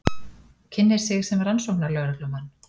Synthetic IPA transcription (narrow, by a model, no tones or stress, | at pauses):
cʰɪnːɪɾ̥sɪsɛmransowknaɾlœɣɾʏklʏmanː